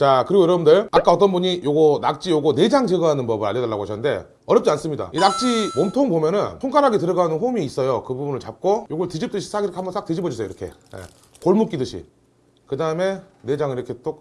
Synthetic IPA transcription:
t͡ɕakɯɾiɡojʌɾʌbɯndɯɭak͈aʌt̬͈ʌnbuɲijoɡʌnak̚t͡ɕ͈ijoɡʌne̞d͡ʑaŋt͡ɕeɡɯɦanɯnpʌbɯɾa̰ʎjːʌdɯɭːaɡoɦaɕʰʌnɯnde̞̰ | ʌjʌpt͡ɕ͈ians͈ɯmɲida̰inak̚t͡ɕ͈imomtʰoŋbomjʌnɯntʰoŋkʰaɾɦaɡetɯɾʌɡanɯnɸomiːs͈ʌjokɯbubunɯɭt͡ɕap̚k͈ojoɡʌɭtid͡ʑip̚t͈ɯɕʰi̥s͈ʰaɡiɾʌkʰeambʌns͈akt͈ed͡ʑibʌd͡ʑis͈ʰejo̰iɾʌkʰe̞̰ | ḛ | koɭmuk͈idɯɕʰḭ | kɯdaɯme̞ne̞d͡ʑaŋiɾʌkʰe̞t͈ok̚

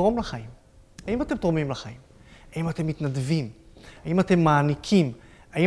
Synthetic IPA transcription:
ʁo̞mlaχaim | aimate̞mt̪ʁomimlaχaim | haimate̞mːit̪nadvimaimate̞mːaːnikʰimai

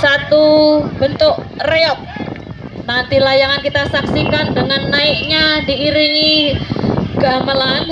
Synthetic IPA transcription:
sat̪ubənt̪ʊk | reɔp̚ | nant̪ilahjaŋankit̪asaksikandəŋanːaɪk̚ɲadiːɾini | ɡaməlaŋ

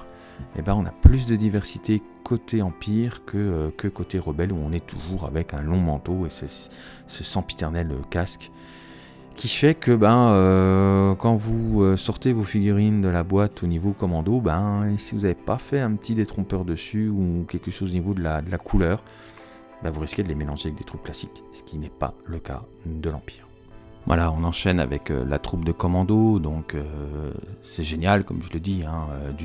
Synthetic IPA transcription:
ḛbãɔ̃na̰plys̬d̪əd̪ivɛʁsit̪e | kʰot̪ʰeɑ̃pʰiʁkʰəøkəkot̪eʁəbɛluɔ̃nɛt̪ʰuʒuʁa̰vɛkɛ̃lɔ̃mɑ̃t̪oesɛ | səsɑ̃pi̥t̪ɛʁnɛløkʲask | kʲifɛkəbãø | kɑ̃vuøsɔʁt̪evofiɡʲyʁind̪əlabwat̪ʰonivokɔmɑ̃d̪obɛ̃sivuzavepafɛɛ̃pət̪ʰid̪et̪χɔ̃pœʁd̪əsyukʲɛlkəʃozonivod̪əlad̪əlakʰulœːʁ | bɛ̃vuʁiskʲed̪əlemelɑ̃ʒeavɛk̚d̪et̪χypklasik | sə̥kʲinɛpa̰ləka̰ | d̪əlɑ̰̃pi̥ːʁ | vwa̰laɔ̃nɑ̃ʃɛna̰vɛ̰kø̰la̰t̪χupd̪əkɔmɑ̃d̪od̪ɔ̃kʰø | sɛʒenjalkɔmʒələd̪iɛ̃ød̪y

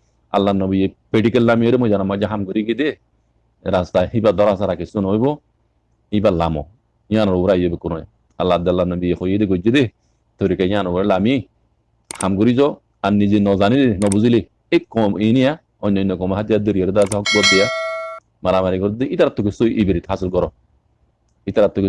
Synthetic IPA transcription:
a̰lːanɔbijepeʈikellamijɔɾemɔd͡ʒanamːad͡ʒaɦamɡuɾiɡid̪e | ɾast̪aɦibad̪ɔɾasaɾakisɔnɔjbɔ | ibalamɔ̰ | j̃anɔɾɔbɾajːɔbekunɔj | a̰lːad̪alːanɔbijexojed̪eɡɔd͡ʒːed̪e | t̪oɾikaj̃anɔbɾelamiej | hamɡuɾizɔ | anːid͡ʒinɔzanidenɔbuzile | ɪkːɔminija | ɔɲɔnɔkɔmaɦatadoɾjoɾidaas̬ahɔkbɔdɪja | maɾamaɾiɡɔɾdeitaɾatukesoʔibiɾithasɪlɡɔɾɔ | itaɾatːuk

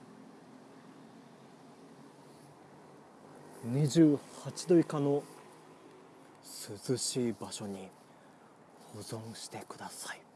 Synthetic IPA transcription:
ɲiʑɨːhat͡ɕid̪o̞ikano̞ | sɨzɨɕiːbaɕo̞ɲ̟i | ho̞zõ̞ɰ̃ɕi̥t̪e̞kɯ̟d̪asai

